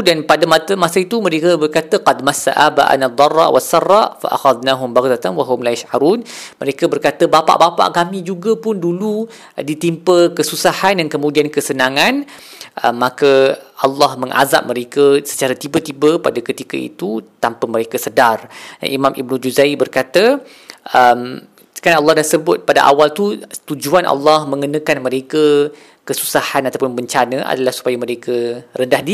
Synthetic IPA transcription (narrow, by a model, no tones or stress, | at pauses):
danpadamat̪əmasait̪umə̃ɾekəbərkat̪əqɑdmasːa̰ʔaba̰ʔa̰nad̪ˤːɑrːɑ̰ʔwʔasːɑrːɑʔfa̰ʔa̰xaðnaɦʊmbaɣd̪at̪anwaɦʊmlajaʃʕaɾuːnməɾekəbərkat̪əbapa̰ʔbapa̰ʔkamĩd͡ʒuɡapʊndulu | dit̪impəkəsusahandankəmũdiankəsənãŋãn | ʔəmːakəʔɑlːɑhməŋʔa̰za̰p̚mə̃ɾekəsə̥t͡ʃaɾat̪ibət̪ibəpadakət̪ikəḭt̪ut̪ampəmə̃ɾekəsədar̰ʔimãmḭb̚nũd͡ʒuzaibərkat̪ə | ʔəm̥ | kanalːɑhdasəbʊt̪̚padaʔa̰walt̪ut̪ud͡ʒuanʔa̰lːɑhmə̃ŋənə̃kanmə̃ɾekə | kəsu̥sahanat̪awpʊnbəɲt͡ʃanə̃ʔa̰dalahsu̥pajaməɾekərəndahdi